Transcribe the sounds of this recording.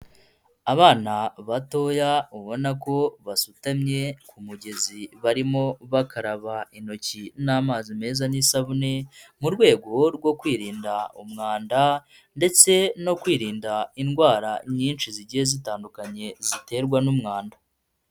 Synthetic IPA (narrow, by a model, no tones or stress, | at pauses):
aβaːnaβato̞ːjauβo̞nako̞βasutamɲe̞kumuɟe̞ziβaɾimo̞βakaɾaβaino̞cinaːmaːzime̞ːzanisaβune̞muɾɡwe̞ːɡo̞ɾɡwo̞kwiːɾiːndaumŋaːnda | nde̞t͡se̞no̞kwiːɾiːndainɡwaːɾaɲiːnʃiziɟije̞zitaːndukaɲe̞zite̞ːɾɡwanumŋaːnda